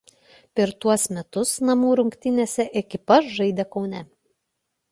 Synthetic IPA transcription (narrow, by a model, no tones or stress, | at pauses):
pʲɛɾt̪uɔsmʲɛt̪ʊsnɐmuːɾʊŋʲkt̪ʲɪnʲeːsʲɛʔɛkʲɪpɐʃʒɐɪd̪ʲeːkɒʊnʲɛ